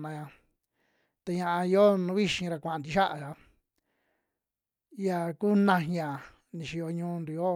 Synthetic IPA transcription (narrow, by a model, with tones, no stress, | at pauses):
nã˧ã˧ | t̪a˧ɲã˧a˧i˧˦o˦nũ˧˦βi˦ʃĩ˧ɾa˧kʷã˨˧nd̪i˧ʃa˦ʔa˧˨ʒa˧ | ja˧˨ku˦nã˧ĩ˧˦˧ã˨ | nĩ˧ʃi˧o˧ɲũː˧nd̪u˧˦o˦